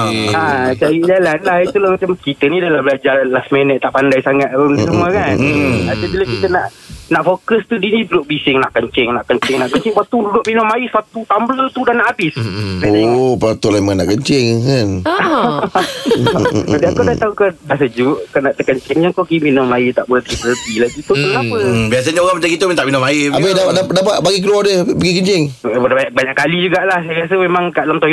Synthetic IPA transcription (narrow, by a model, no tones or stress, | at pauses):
at͡ʃaɾid͡ʒalanlahit̪ulahmat͡ʃamkit̪ənidalahbəlad͡ʒarlasmenət̪aʔpandajsaŋat̪̚əisəmuəkanadəbiləkit̪əna̰ʔ | naʔfokəst̪udinibulʊʔ̚bisɪŋnaʔkəɲt͡ʃɪŋnaʔkəɲt͡ʃɪŋnaʔkəɲt͡ʃɪŋpat̪ududʊʔminʊmːaɪsat̪ut̪amblət̪udanaʔabɪskaopat̪ulaimanaʔkəɲt͡ʃɪŋkan | aliakodat̪aukədasəd͡ʒuʔkənaʔt̪əkəɲt͡ʃɪŋɲakokiminʊmait̪aʔbulat̪ipəɾədilaɡit̪unapəbias̬aɲaoɣaŋməd͡ʒaɡit̪umĩt̪aʔminʊmaiabɛdapaʔdaadapaʔbaɡikəluadɛhbəɡikəɲt͡ʃɪŋbbaɲaʔbaɲaʔkalid͡ʒuɡaʔlahsajɾas̬əmemãŋkaʔdalamt̪o